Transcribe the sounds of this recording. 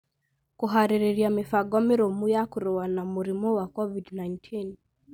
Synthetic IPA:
kuɦaɾiɾiɾiamɪfaɡɔmɪɾomujakuɾɔwanamuɾimɔwakɔvidnajntʰin

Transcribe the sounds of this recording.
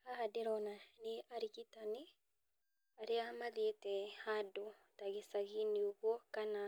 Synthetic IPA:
aɦadeɾɔnaneaɾiɣitani | aɾiamaðietɛhadotaɣisaɣiniuɣokana

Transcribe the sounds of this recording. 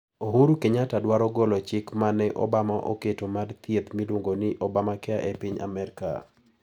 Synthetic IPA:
oɦuɾukeɲatadwaɾɔɡɔlɔt͡ʃɪkmanɛʔɔ̰bamaʔo̰ketomadt̪jet̪milwoŋɡonɪʔɔbamakɛaʔɛpiɲa̰mɛɾka̰

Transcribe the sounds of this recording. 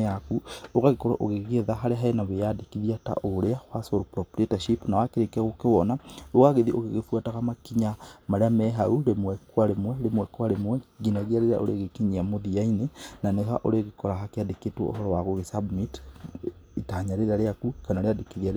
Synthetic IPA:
akuoɣaɣekoɾa̰ʔoɣeɣɣeðaɦaɾeɦaenaβejadekiðiata̰ʔoɾeaxwasoɾopɾɔpɾetaʃipnawakeɾekaɣokewɔnaoɣaɣeðiʔoɣeɣefwataɣamakiɲamaɾeamɛɦauɾemwɛkwaɾemwɛɾemwɛkwaɾemwɛɡinaɣiaɾeɾa̰ʔoɾeɣekiɲiamoðiainenanehaʔoɾeɣekɔɾaɦakeadeketwɔ̰ʔo̰ɦɔɾɔwaɣoɣesabmit | itaɲaɾeɾaɾeakukanaɾeadekiðia

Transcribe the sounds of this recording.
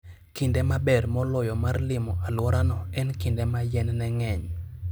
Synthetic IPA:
kindɛmabɛrmɔlɔjɔmarlɪmɔʔalwɔɾanɔɛnkindɛmajɛnnɛŋɛɲ

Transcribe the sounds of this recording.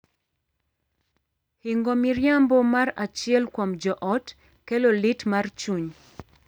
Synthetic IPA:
hiŋɡomiɾjambɔmaɾat͡ʃɪɛlkwɔmd͡ʒɔʔɔt | kɛlolitmart͡ʃuɲ

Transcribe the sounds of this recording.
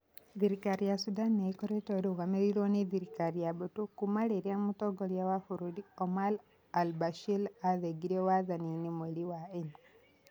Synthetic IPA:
ðiɾikaɾijasudanːekɔɾetoɾiɣameɾiɾoneðiɾikaɾijabotukumaleɾiamutɔɡɔljawafuɾudiɔmal | albaʃilaðeɡiɾewaðaninimeliwaen

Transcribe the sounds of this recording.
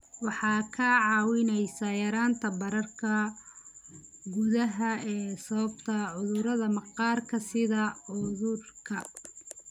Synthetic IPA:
wɑħɑːkʰɐʕɑːwɪnɛjsɐjɐɾaːnt̪ʰɐbɐɾɐrkʰɐ | ɡʊðɐɦɐɛːsɐβɐbt̪ʰɐʕʊðʊɾɐðɐmɑqɑːrkʰɐsɪðɐʕʊðʊrkʰɐ

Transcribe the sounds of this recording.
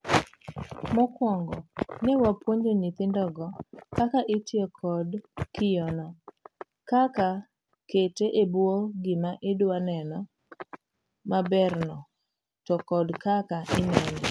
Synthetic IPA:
mɔkwɔŋɡɔ̰newapwoɲd͡ʒenit̪ɪndɔɡɔkakaʔɪtɪɔkʰɔdkʰɪjɔnɔ | kaka | keteʔebwoɡɪmaʔɪdwanɛnɔ | mabɛɾnɔ | tɔkɔdkakaʔɪnɛnɔ

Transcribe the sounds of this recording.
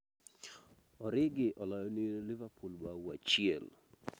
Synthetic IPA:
ɔɾɪɡɪʔɔlɔjɔlɪvapʰulwawat͡ʃɪɛl

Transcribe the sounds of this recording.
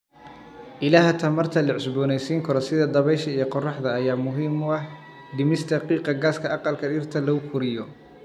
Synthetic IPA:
ʔɪlaːɦɐt̪ʰɐmɐrt̪ʰɐlɐʕɪsbɔːnɛjsiːŋkʰɔɾɔsɪðɐd̪ɐβɛjʃɐijɔqɔrɑħd̪ɐːjaːmʊɦiːmʊɐħ | ɖ̪ɪmɪst̪ʰɐqiːqɐɡaːskʰɐʔɑqɑlkʰɐɖɪrt̪ʰɐlɐʊfʊɾɪjɔ

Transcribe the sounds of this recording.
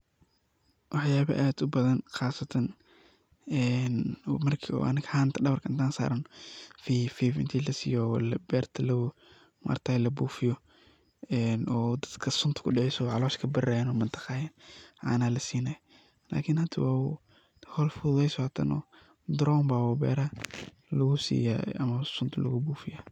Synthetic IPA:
wɑħjaːβɐ̰ʔaːd̪ʊbɐðɐnxaːsɐt̪ʰɐn | ɛnmɐrkʰiɔ̰ʔɐ̰nɐkħaːnt̪ʰɐɖɐβɐrkʰɐʔɪnt̪ʰaːnsa̰ːɾɐnfifiːvɪ̰nt̪ʰiːlɐsḭjɔlɐbɛːrt̪ʰɐlɐw | mʔɐ̰rt̪ʰaːlɐbuːfɪjɔ | ɛːnɔːd̪ɐd̪̥kʰɐsʊnt̪ʰʊ̥kʰʊɖɪʕɛjsɔʕɑlɔːʃkʰɐbɪraːjɛnɔmɐnt̪ʰɐ̥qɑːjɛnʕa̰ːnaːlɐsiːnaj | la̰ːkʰɪnhɐt̪ʰɐwaː | hɔlfʊðɛjsɔt̪ʰɐ̰nɔ̰ː | d̪ɾɔːmbawɔbɛ̰ːɾa | lɐɣʊsḭːja̰ːɐmɐsʊnt̪ʰʊlɐ̰ɣʊbuːfɪja

